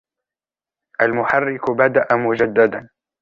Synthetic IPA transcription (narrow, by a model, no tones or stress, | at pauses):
ʔalmʊħarːɪkbad̪aʔamʊd͡ʒad̪ːad̪an